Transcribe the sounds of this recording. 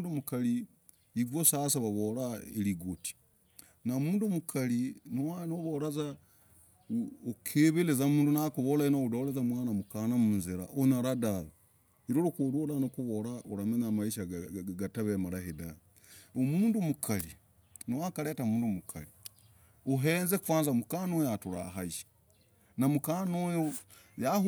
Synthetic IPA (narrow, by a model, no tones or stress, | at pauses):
ndumukali | iɡwosasaβaβoɾaeliɡoti̥ | namuːnduomukʰalinowanoβoɾaza | okʰeβelezamuːndunakuβolainoudolezamwaːnamukanamuunziɾaʔonaɾadala | iɾoɾukuɾulanokuβoɾaoɾamenamaiʃaɡataβemaɾahidan | omuːndumukʰali | nowakaleːtamuːndumukʰa̰li | oɦeːnzekufwaːnzamukanojatuɾa̰ɦaiʃi̥ | namukanojo | jah